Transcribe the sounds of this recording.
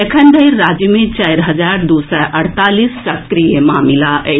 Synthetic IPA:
ekʰənd̪ɐiɾːaːd͡ʒəmẽt͡ʃajɾɦɐd͡ʒaːɾd̪usaʔɐɽt̪aːlissɐkɾijemãːmilaʔɛ

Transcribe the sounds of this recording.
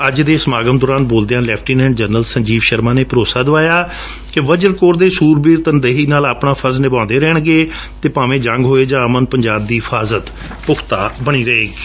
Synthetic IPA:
əd͡ʒd̪eːsəmaːɡəmd̪oːɾaːnboːld̪eãːlɛːpʰʈiːnɛ̃ːɳɖd͡ʒəɾnəlsəɲd͡ʒiːʋʃəɾmãːneːpəɾoːsaːd̪əʋaːjaː | kɪʋəd͡ʒəɾkoːɾd̪eːsuːɾbiːɾt̪ənd̪eɦiːnaːlaːpɳãːpʰəznɪbãːnd̪eːɾɛːɳɡeː | t̪eːpaːʋẽːd͡ʒə̃ŋɡɦoːeːd͡ʒãːəmənpəɲd͡ʒaːb̚d̪iːɦɪfʰaːzət̪ | pʊkʰt̪aːbəɽ̃iːɾəeːɡi

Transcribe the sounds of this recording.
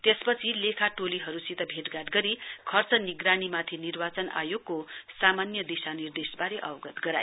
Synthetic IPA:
t̪espʌt͡sʰilekʰaʈoliɦʌɾusit̪ʌbʱeʈɡaʈɡʌɾikʰʌrt͡sʌniɡɾanimat̪ʰinirbat͡sʌnʔa̰joɡkosamanjʌd̪isanird̪esbaɾeʔʌ̰wɡʌt̪ɡʌɾa̰j

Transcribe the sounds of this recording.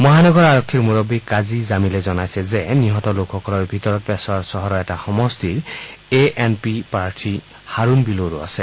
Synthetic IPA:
mɔɦanɔɡɔɹaɹɔkʰːiɹmuɹɔbikkːazizamilɛzɔnajsɛzɛniɦɔtɔlokxɔkɔlɔɹbʱitɔɹɔt̚pɛsɔaɹsɔɦɔɹɔɛtaxɔmɔstiɹeʔɛnpipaɹtʰi | haɹunbiloɹua̰sɛ

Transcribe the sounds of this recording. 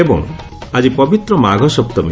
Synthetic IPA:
ebɔ̰ŋ | ad͡ʒipɔbit̪ɾɔmaɡʱɔsɔpt̪ɔmḭ

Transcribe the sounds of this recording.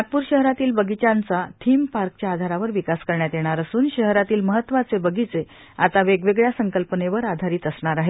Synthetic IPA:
at̪̚puːɾɕəɦɾat̪iːlbəɡit͡ɕant͡sat̪ʰiːmpaɾk̚t͡ɕjaːd̪ʱaɾaʋəɾʋikaskəɾɳjat̪jeɽ̃aɾəsuːnɕəɦɾat̪iːlməɦət̪ːʋat͡sebəɡʱit͡se | at̪aʋeɡʋeɡɭjasəŋkəlpəneʋəɾad̪ʱaɾiːt̪əsɳaɾaɦe

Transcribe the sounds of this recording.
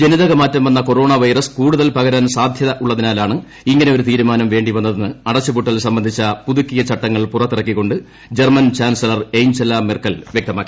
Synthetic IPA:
d͡ʑe̞niðɐɣɐmaːtːɐmʋɐnːɐko̞ɾo̞ːɳɐʋɐjrɐskuːɽuðɐlpɐɣɐɾɐnsaːd̪ʱjɐðɐʔuɭːɐðinaːlaːɳɨ | iŋːɐneo̞ɾut̪iːɾumaːnɐmʋe̞ːɳɖiʋɐnːɐðenːɨɐɽɐt͡ɕːɐbuʈːɐlsɐmbɐnd̪ʱit͡ɕːɐpuðukːijɐt͡ɕɐʈːɐŋːɐɭpurɐt̪ːirɐkːikːo̞ɳɖɨ | d͡ʑermɐnt͡ɕaːnsɐlɐrejɲd͡ʑɐlamirkːɐlʋjekt̪ɐmaːkːi̥

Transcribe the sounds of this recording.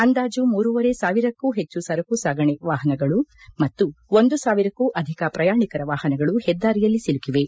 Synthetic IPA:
ɐnd̪aːd͡ʒumuːɾuʋɐɾe̞saːʋiɾɐkːuːɦet͡ʃːusɐɾɐkuːsaːɡɐɳeʋaːɦɐnɐɡɐɭumɐt̪ːuond̪usaːʋiɾɐkːuːʔɐd̪ʱikɐpɾɐjaːɳikɐɾɐʋaːhɐnɐɡɐɭuhɛd̪ːaːɾijɐlːisilukiʋe̞

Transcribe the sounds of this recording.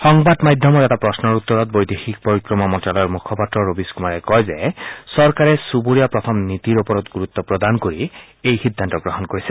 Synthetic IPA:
xɔŋbadmajdʱɔmɔtɛtapɹɔsnɔɹut̪ːɔɹɔt̚bojdexik̚poɹikɹɔmamɔntalɔjɔɹmukʰɔpatɹɔɹobiskumaɹɛkɔjzɛsɔɹkaɹɛsuboɹijapɹɔt̪ʰɔmnit̪iɹopɔɹɔt̪ɡuɹut̪ːɔpɹɔd̪ankoɹi | ejxidʱːantɔɡɹɔɦɔnkoɹisɛ

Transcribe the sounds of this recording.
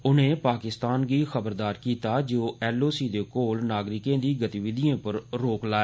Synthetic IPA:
ʊnẽːpaːkɪst̪aːnɡiːxəbəɾd̪aːɾkiːt̪aːd͡ʒoːɛːloːsiːd̪eːkoːlnaːɡɾɪkẽːd̪iːɡət̪iʋɪd̪ɪjãːpəɾɾoːklaːɛː

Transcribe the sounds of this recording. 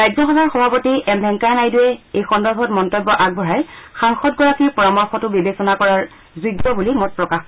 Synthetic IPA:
ɹajzɔxɔbʱaɹxɔbʱapotiʔɛmbʱɛŋkanajdʊjɛejxɔndɔɹbʱɔtmɔntɔbːɔʔaɡ̚bɔɦajxaŋxɔtɡɔɹakiɹpɔɹɔmɔɹxʰɔtʊbibesɔnakɔɹaɹ | zudːɔbulimɔt̚pɹɔkax

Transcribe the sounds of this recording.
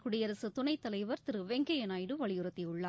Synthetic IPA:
kʊɽɪjɐɾɐsɯt̪ʊnɐɪt̪ːɐlɐɪʋɐɾt̪ɪɾɯʋeŋɡɐjɐnaːjɽɯʋɐɭɪjɯɾɐt̪ːɛʊɭːaː

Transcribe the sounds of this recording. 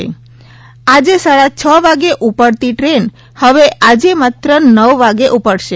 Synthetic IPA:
ḛ | ad͡ʒesaɭat͡ʃʰəʋaɡeʔupəɽt̪iʈɾen | həʋeʔad͡ʒemat̪ɾənəʋʋaɡeʔupəɽʃe

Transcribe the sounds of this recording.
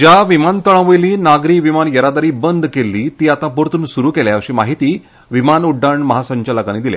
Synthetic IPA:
d͡ʑjaʋimant̪əɭ̃aʋeliːnaɡɾiːʋimanjəɾad̪aɾiːbənd̪kelːiːt̪iːat̪ãpuɾt̪uːnsuɾuːkeljaəɕiːmaɦit̪iː | ʋimanuɖːaɳməɦasəɲt͡ɕaləkañiːd̪ilḛ

